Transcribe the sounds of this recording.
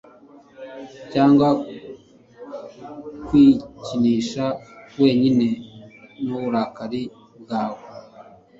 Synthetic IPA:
caːŋɡwa | kwiciniːʃawe̞ːɲinenuβuɾakaɾi | b̚ɡaːwo

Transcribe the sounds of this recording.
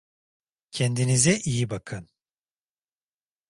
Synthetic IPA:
cʰɛnd̪inizɛʔijibakʰɯn

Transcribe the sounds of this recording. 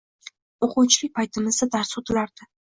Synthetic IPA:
oqʊwt͡ʃʰɪlɪk̚ʲpʰajt̪ʰɪmɪzd̪ad̪aɾsot̪ʰɪlaɾd̪̥ɪ

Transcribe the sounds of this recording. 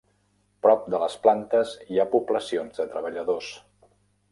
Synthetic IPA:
pɾɔp̚d̪ələsplant̪əziapubləsionzðət̪ɾəβ̞əʎəðos

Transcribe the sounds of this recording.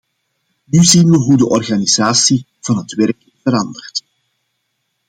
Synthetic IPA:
nyzinʋəɦudəʔɔrɣaniz̥aːsi | v̥ɑnɦətʋɛrk | v̥əɾɑndərt

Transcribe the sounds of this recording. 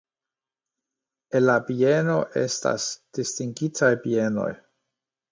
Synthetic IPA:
enlabie̞no̞ʔe̞̰sta̰sd̥istiŋɡitʰajbie̞no̞̰j

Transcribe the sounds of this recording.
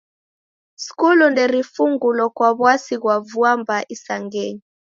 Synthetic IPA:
si̥kulundɛɾifuŋɡulɔkwaβwasiɣwavuambaʔisaŋɡɛɲi

